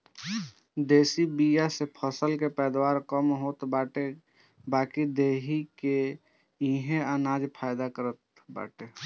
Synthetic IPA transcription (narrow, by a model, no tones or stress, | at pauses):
d̪eːsibijasepʰəsəlkepɛːd̪waːɾkəmɦoːt̪baːʈe | baːkid̪eːɦike | ĩɦẽənaːd͡ʒpʰaːjd̪akəɾət̪ | ba̰ːʈe